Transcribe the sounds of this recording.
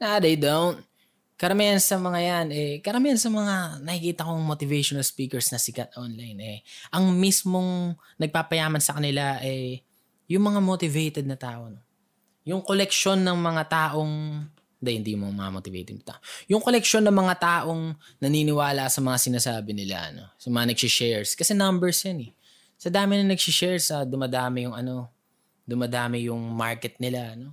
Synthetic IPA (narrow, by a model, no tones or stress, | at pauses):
nad̪ɐjd̪awn | kɐɾɐmiɐnsɐmɐŋajanɛkɐɾɐmihɐnsɐmɐŋanɐhɪkiːt̪ɐkoŋmot̪ɪvɛjʃonɐlspiːkɛɹsnɐsɪɡɐt̪̚ʔonlajnɛʔɐŋmismo̞ŋ | nɐɡ̚paːpɐjaːmɐnsɐkɐnɪlaʔɛ | jʊŋmɐŋamot̪ɪvɛjt̪ɛd̪̚nɐt̪aːʔo̞no | jʊŋko̞lɛk̚ʃo̞nːɐŋmɐŋat̪aːʔo̞ŋ | nd̪ɐhɪnd̪iːjʊmɐŋamɐ̰ŋamoːt̪ɪvḛjt̪ɛd̪nɐt̪a̰ːʔojʊŋko̞lɛkʃo̞nːɐŋmɐŋat̪aːʔo̞ŋnɐninɪwaːlɐʔsɐmɐŋasɪnaːsaːbɪnɪla̰ʔɐ̰no̞̰sɐmɐŋanɐɡsɪʃɛɹskɐsɛnɐmbɛɹsjɐnɛ | sɐd̪aːmɪnɐŋnɐɡsɪʃɛɹsɐd̪ʊmɐd̪aːmɪjʊŋɐno̞ | d̪ʊmɐd̪aːmɪjʊŋmaɹkɛt̪̚nɪlano̞